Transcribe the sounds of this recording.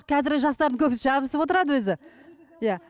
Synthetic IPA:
qʲʰɑzɪɾɡʲɪʒɑst̪ɑɾd̪əŋkʲʰɵpɪsʒɑbəsəpwo̞t̪əɾɑd̪əwɵzɪ | ja

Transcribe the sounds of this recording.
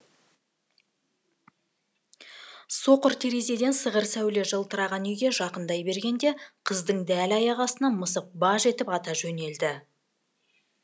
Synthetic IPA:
so̞qəɾt̪ʰeɾe̞ze̞d̪e̞nsəʁəɾsæwle̞ʒəlˠt̪ʰəɾɑʁɑnʏjɡʲe̞ʒɑqənd̪ɑjbe̞ɾɡʲe̞nd̪e̞qʰəzd̪əɴd̪ælɑjɑʁɑsənɑməsəp̚bɑʒe̞t̪ɪpɑt̪ɑʒɵne̞ld̪ɪ

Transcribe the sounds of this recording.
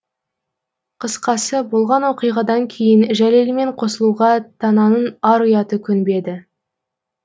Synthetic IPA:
qʰəsqɑsəbo̞lˠʁɑnwo̞qijʁɑd̪ɑŋkʲʰe̞jɪnʒæle̞lme̞ɴqʰo̞səlˠuʁɑt̪ʰɑnɑnənɑɾʊjɑt̪əkʲʰʏnbe̞d̪ɪ

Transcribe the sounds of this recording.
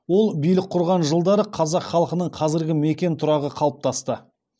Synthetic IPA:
wo̞lˠbijlɪk̚qʰːʊɾʁɑnʒəlˠd̪ɑɾəqʰɑzɑqχɑlˠqənəɴqʰɑzɪɾɡʲɪmekʲe̞nt̪ʰʊɾɑʁəqʰɑlˠəp̚t̪ʰɑst̪ə

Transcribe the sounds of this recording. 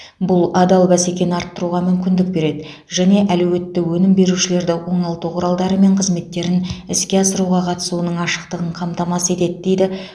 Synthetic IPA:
bʊlˠɑd̪ɑlˠbæse̞kʲe̞nɪɑɾt̪ːəɾuʁɑmʏmkʲɪnd̪ɪk̚be̞ɾe̞d̪ɪ | ʒæne̞ʔælɵwe̞t̪ːɪwɵnɪmbe̞ɾuʃɪle̞ɾd̪ɪwo̞ɴɑlˠt̪uqʰʊɾɑlˠd̪ɑɾəme̞ɴqʰəzme̞t̪ːe̞ɾɪnɪskʲe̞ɑsəɾuʁɑqʰɑt̪ə̥suənəɴɑʃə̥q̚t̪əʁəɴqʰɑmt̪ɑmɑse̞t̪e̞d̪ɪd̪e̞jd̪ɪ

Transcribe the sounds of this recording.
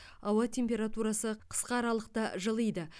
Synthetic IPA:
ɑwɑt̪ʲʰe̞mpʲe̞ɾat̪uɾɑsəqʰə̥sqɑːɾɑlˠəq̚t̪ɑʒəlˠəjd̪ə

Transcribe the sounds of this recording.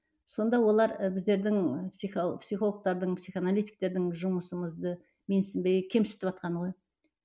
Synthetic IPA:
so̞nd̪ɑwo̞lˠɑɾbɪzd̪e̞ɾd̪ɪŋpsiopsijχo̞lˠək̚t̪ɑɾd̪əɴpsijχanalʲijt̪i̥jk̚t̪e̞ɾd̪ɪŋʒʊməsəməzd̪ə | me̞nsɪmbe̞ɡɪkʲʰe̞msɪ̥t̪ɪpɑt̪̚qʰɑnʁo̞j

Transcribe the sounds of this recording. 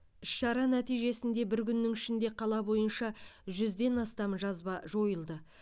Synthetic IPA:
ɪʃʃɑɾɑnæt̪ijʒe̞sɪnd̪e̞bɪɾkʲʰʏnːɪŋɪʃɪnd̪e̞qʰɑlˠɑbo̞jənʃɑʒʏzd̪e̞nɑst̪ɑmʒɑzbɑʒo̞jəlˠd̪ə

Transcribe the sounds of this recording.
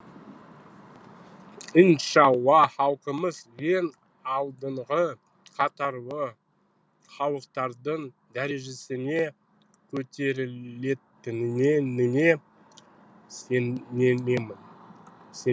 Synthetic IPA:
ənʃɑwɑχɑwˠqəməzʒe̞n | ɑlˠd̪əɴʁə | qʰɑt̪ɑɾwə | χɑwˠəqt̪ɑɾd̪əɴ | d̪æɾe̞ʒe̞sɪne̞ | kʲʰɵt̪e̞ɾɪe̞t̪ɪnɪnenɪne̞ | senːe̞ne̞mɪnse

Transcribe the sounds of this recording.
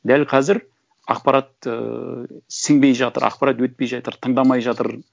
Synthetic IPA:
d̪ælqʰɑzɪɾ | ɑ̰qpɑɾʔɑt̪̚ə̰ | səŋbe̞jʒɑt̪ə̰ɾɑ̰q̚pɑɾɑt̪wɵt̪̚pe̞jʒɑjt̪əɾt̪ʰəɴd̪ɑmɑjʒɑt̪əɾ

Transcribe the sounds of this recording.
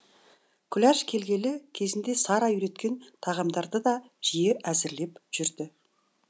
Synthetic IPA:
kʲʰʏlæʃkʲʰe̞lɡʲe̞lɪkʲʰe̞zɪnd̪e̞sɑɾɑyɾe̞t̪kʲe̞nt̪ʰɑʁɑmd̪ɑɾd̪əd̪ɑ | ʒ̥ijeʔæzɪɾle̞pʒ̥ʏɾd̪ɪ

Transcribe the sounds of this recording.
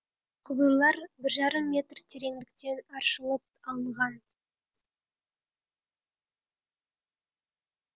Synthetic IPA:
qʰʊbəjlˠɑɾbɪɾʒɑɾəmːʲe̞t̪rt̪ʰe̞ɾe̞ŋd̪ɪk̚t̪e̞nɑɾʃəlˠəp̚ɑlˠʁɑn

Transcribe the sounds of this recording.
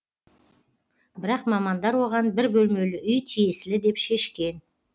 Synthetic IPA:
bɪɾɑqmɑmɑnd̪ɑɾwo̞ʁɑnbɪɾbʲɵlme̞lɪʔʏjt̪ʰijesɪlɪd̪e̞pʃe̞ʃkʲe̞n

